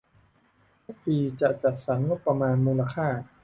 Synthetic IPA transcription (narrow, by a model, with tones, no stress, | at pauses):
o˥˩piː˧t͡ɕa˨˩ʔt͡ɕa˨˩t̪̚sa˩˦nŋo˦˥t̪̚pːɾa˧maː˧nmuː˧la˧kʰaː˥˩